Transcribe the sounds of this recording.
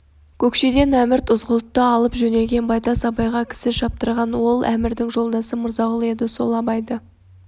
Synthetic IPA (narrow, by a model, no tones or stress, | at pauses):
kʲʰɵkʃe̞d̪e̞næmɪɾt̪ʰʊzʁəlˠət̪ːəɑlˠəpʒɵne̞lɡʲe̞nbɑjt̪ɑsɑbɑjʁɑkʲʰɪ̥sɪʃɑp̚t̪əɾʁɑnwo̞lˠʔæmɪɾd̪ɪŋʒo̞lˠd̪ɑsəmʊɾzɑʁəlˠe̞d̪ɪso̞̰lˠɑbɑjd̪ə